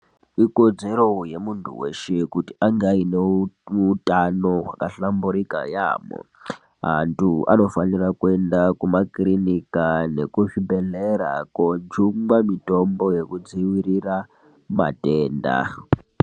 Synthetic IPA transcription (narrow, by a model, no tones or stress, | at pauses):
iko̞d͡ze̞ɾoje̞muntʰṵweʃekutiʔaŋɡaineutanowakaɬambuɾika̰ja̰ːmo̰ | ɦa̰ntʰua̰no̞fanirakue̞ndakumakrinikane̞̰kuʐibʱe̞ɮeɾa̰kod͡ʒuŋɡwamito̞mbo̞je̞kud͡ziwiɾira | ma̰teːnda̰